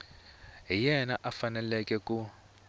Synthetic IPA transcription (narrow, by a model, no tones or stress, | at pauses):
ɦijɛnaʔafanɛlɛkʼɛkʼu